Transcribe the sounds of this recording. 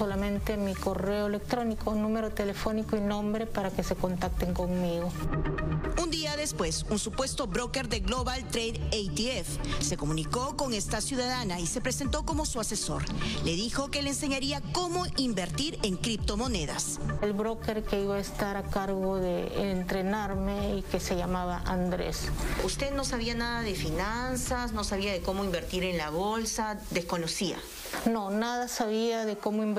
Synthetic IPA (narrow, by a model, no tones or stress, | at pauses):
solamẽ̞nt̪emiko̞reoelek̚t̪ɾonikounnũmeɾot̪elefo̞nikoinõ̞mbɾe̞paɾakese̞ko̞nt̪ak̚t̪eŋkoŋmiɣo | und̪iaðe̞spwe̞sunsupwe̞st̪o̞bɾo̞ke̞ɾðe̞ɣloβalt̪ɾejðejt̪iefse̞ko̞muniko̞ko̞ŋest̪asjuðaðanaise̞pɾe̞se̞nt̪o̞ko̞mosuase̞so̞̰ɾle̞ðixo̞ke̞lense̞ɲaɾiako̞mo̞imbe̞ɾt̪iɾe̞ŋkɾip̚t̪o̞mo̞ne̞ða̰s | elβɾoke̞ɾke̞iβaest̪aɾakaɾɣoðeːnt̪ɾe̞naɾmeikese̞ʝamaβaʔand̪ɾḛsust̪e̞ðno̞saβianaðaðe̞finansasno̞saβiaðe̞ko̞mo̞imbe̞ɾt̪iɾe̞nlaβo̞lsad̪e̞sko̞no̞sia̰ | nonaðasaβiaðe̞komoim